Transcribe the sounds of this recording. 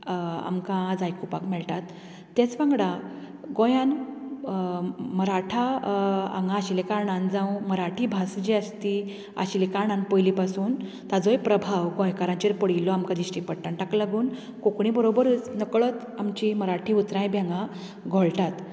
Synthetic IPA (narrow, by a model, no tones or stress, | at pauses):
a̰mkãːd͡zajkupakmɛɭʈat̪ː | et͡sʋãŋɡɽa | ɡõjãn | məɾaʈʰa | a̰ŋɡãːɕilekaɾɳãnd͡zãwməɾaʈʰiːbʱasd͡ʑiəst̪i | a̰ɕilekaɾɳãnpəjlipasuːn | t̪ad͡zɔjpɾəbʱawɡɔ̃jkaɾãɲt͡ɕeɾpəɽ̤ilːɔamkad̪iɕʈipəɽʈ̪aɳʈaklaɡuːn | kokɳibəɾobəɾut͡snəkɭɔt̪ | amt͡ɕiməɾaʈʰiut̪ɾãjbjãŋɡa | ɡʱoɭʈat̪